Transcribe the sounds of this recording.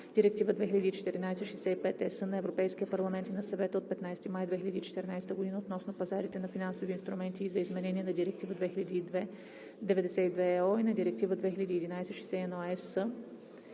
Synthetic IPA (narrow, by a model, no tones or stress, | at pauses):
d̪̥iɾɛk̚t̪ivəd̪vɛxilɐd̪iːt͡ʃɛ̥t̪ɛɾinajsɛʃɛsɛipɛt̪ɛsənɐɛvɾopɛjskʲiəpɐɾlˠɐmɛnt̪inɐsɐvɛt̪əot̪̚pɛt̪najst̪imajd̪vɛxilʲɐd̪iːt͡ʃɛ̥t̪ɛɾnajsɛt̪əɡod̪inəot̪nɔsnopɐzaɾit̪ɛnɐfinansoviːnst̪ɾumɛnt̪iːzɐizmɛnɛniɛnɐd̪iɾɛk̚t̪ivəd̪vɛxilɐd̪iːd̪ɛ | d̪ɛvɛd̪ɛsɛid̪vɛɔinɐd̪iɾɛk̚t̪ivəd̪vɛxilʲɐd̪iːɛd̪inajsɛʃɛsɛɛnɔɛsə